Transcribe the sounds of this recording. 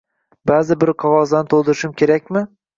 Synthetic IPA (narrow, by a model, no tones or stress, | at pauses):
baːzɪbɪɾqʰɒʁɒzd̪anɪt̪ʰolˠd̪ɪɾɪʃɪmkʲʰe̞ɾakʲmɪ